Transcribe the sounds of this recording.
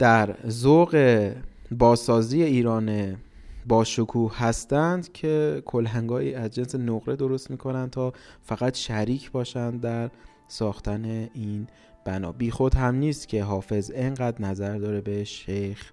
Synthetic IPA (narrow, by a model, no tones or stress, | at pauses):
d̪̥æɾzoɣe̞bɒːsɒːziːje̞iːɾɒːne | bɒːʃokʰuːhhæst̪ænd̪cʰe̞kʰo̞læŋɡɒːʔiːæzd͡ʒe̞nse̞noɣɾe̞d̪o̞ɾo̞st̪miːkʰo̞nænd̪̚t̪ʰɒːfæɣæt̪ʃæɾiːcʰbɒːʃænd̪d̪æɾ | sɒːxt̪ʰæne̞iːn | b̥ænɒ̰ːbiːxo̞d̪hæmniːst̪cʲʰeɦɒːfe̞ze̞ŋɢæd̪næzæɾd̪ɒːɾe̞be̞ʃejx